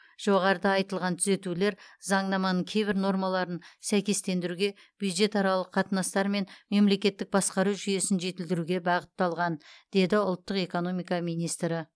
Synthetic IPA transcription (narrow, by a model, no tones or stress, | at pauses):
ʒ̥o̞ʁɑɾəd̪ɑɑjt̪əlˠʁɑnt̪ʰʏze̞t̪ule̞ɾzɑɴnɑmɑnəɴkʲʰe̞jbɪɾno̞ɾmɑlˠɑɾənsæjkʲe̞st̪e̞nd̪ɪɾuɡʲe̞ | b̥jud̪ʒe̞t̪ɑɾɑlˠəqʰːɑt̪ənɑst̪ɑɾme̞nme̞mle̞kʲe̞t̪ːɪk̚bɑsqɑɾuʒʏje̞sɪnʒe̞t̪ɪld̪ɪɾuɡʲe̞bɑʁət̪ːɑlˠʁɑnd̪̥e̞d̪ɪʊlˠt̪ːəqe̞ko̞no̞mijkɑmijnijst̪ɾɪ